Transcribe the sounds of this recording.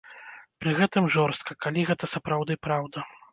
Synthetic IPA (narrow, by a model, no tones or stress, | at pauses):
pɾɨɣɛt̪ɨmʐɔrst̪̚kɐkalʲiɣɛt̪ɐsɐpɾawd̪ɨpɾawd̪ɐ